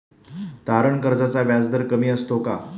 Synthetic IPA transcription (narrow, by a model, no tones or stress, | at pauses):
t̪aɾəɳkəɾd͡zat͡saʋjad͡zd̪əɾkəmiːəst̪oka